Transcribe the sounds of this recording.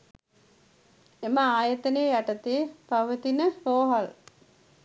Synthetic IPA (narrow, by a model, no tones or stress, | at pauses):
eməaːjət̪ənejəjaʈɐt̪eːpaʋət̪inəɾoːɦɐl